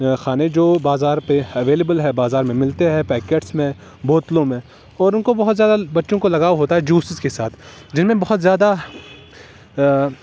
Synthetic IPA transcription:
xaːned͡ʒoːbaːzaːɾpeɐʋeːlebəlɦɛbaːzaːɾmẽmɪlt̪eɦɛpɛːkeːʈsmẽ | boːt̪lõmẽ | ɔːɾʊnkobɐɦʊt̪zʲjaːd̪abɐtːʃõkolɐɡaːɦoːt̪aɦɛd͡ʒuːsɪzkesaːt̪ʰ | d͡ʒɪnmẽbɐɦʊt̪zjaːd̪a

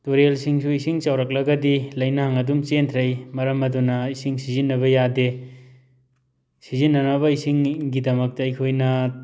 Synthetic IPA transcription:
toɾelsiŋsuisiŋt͡ʃɐwɾɐk̚lɐɡɐdilɐjnaŋɐdumt͡ʃentʰɾejmɐɾɐmɐdunɐisiŋsizinːɐβɐjade | sizinːɐnɐβɐisiŋɡidɐmɐk̚tɐːjkʰojnɐ

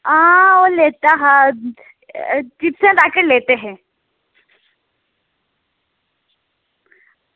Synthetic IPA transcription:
aoleːt̪aɦa | t͡ʃipsẽd̪aːkəɾleːt̪eɦɛ̃

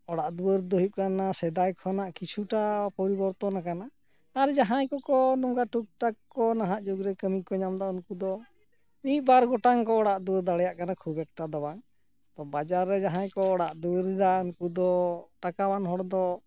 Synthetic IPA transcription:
ɔɽaʔd̪uəɾd̪ɔɦjuʔ̚kanasɛd̪ajkʰɔnaʔkit͡ʃʰuʈapɔɾibɔɾt̪ɔnakanaː | ɾd͡ʒaɦãjkɔkɔnɔŋɡaʈuk̚ʈakː | ɔnaɦaʔd͡ʒuɡɾɛkəmikɔɲamd̪aʔunkud̪ɔ | nibaɾɡɔʈaŋkɔːɽaʔd̪uəɾd̪aɽɛjaʔkanakʰubɛk̚ʈad̪ɔwaŋ | t̪ɔbad͡ʒaɾːɛd͡ʒaɦãjkɔːɽaʔd̪uwəɾd̪aunkud̪ɔʈakawanɦɔɽd̪ɔ

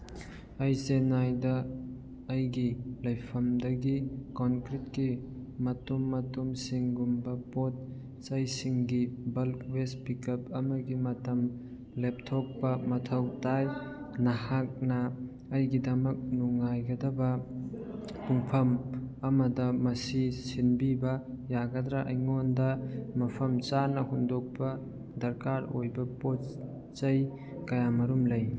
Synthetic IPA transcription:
ɐjsenajdɐː | jɡilɐjpʰɐmdɐɡikɔnkɾit̚ki | mɐtumːɐtumsiŋɡumbɐpot̚ | sɐjsiŋɡibɐlkwespikɐp̚ɐmɐɡimɐtɐm | lep̚tʰok̚pɐmɐtʰɐwtaj | nɐhak̚nɐː | jɡidɐmɐk̚nuŋːajɡɐdɐbɐ | puŋpʰɐmɐmɐdɐmɐsisinbibɐ | jaɡɐdɾaʔɐjŋondɐmɐpʰɐmt͡ʃanɐhundok̚pɐ | dɐɾkaɾojbɐpot͡ʃ | t͡ʃɐj | kɐjamɐɾumlɐj

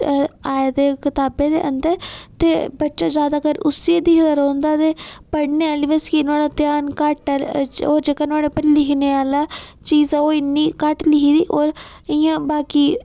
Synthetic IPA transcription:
aːed̪eːkɪt̪aːbẽːd̪ḛːʔənd̪əɾt̪eːbətːʃaːd͡ʒjaːd̪aːkəɾʊsid̪iːɦəd̪əɾɔ̃ːnd̪aːt̪eːpəɽneːaːliːʋeskinaːɽaːt̪ɪjaːnkəʈəɾoːɾd͡ʒeːkaːnaːɽeːpəɾlɪkneːaːlaːt͡ʃiːzaoːɪnːiːkəʈlɪɦiːd̪ḭːʔoːɾ | ɪjãːbaːkiː

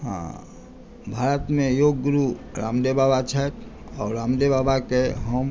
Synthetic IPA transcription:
ɦã̰ː | bʱaːɾət̪mẽjoːɡːɾuɾa̰ːmd̪ebabat͡ʃʰɛt̪ | ɔːɾɾaːmd̪ebaːbakeɦəm

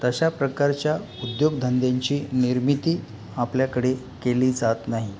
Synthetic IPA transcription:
t̪əɕapɾəkaɾt͡ɕja | ud̪joɡd̪ʱənd̪jaɲt͡ɕiːniɾmit̪iː | apljakəɽe | keliːd͡zat̪naɦi

